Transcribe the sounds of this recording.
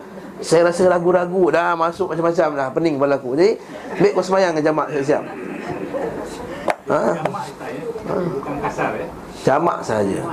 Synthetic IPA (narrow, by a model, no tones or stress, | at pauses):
sajaɾasəlaɡuɾaɡudahmasʊk̚mat͡ʃamat͡ʃamlahpənɪŋbadlakud͡ʒadi | mbeʔkɔsəmajaŋːad͡ʒamaʔsiaʔs̬ia̰p̚ | ə | ə̰ | d͡ʒama̰ʔsəɦad͡ʒə̰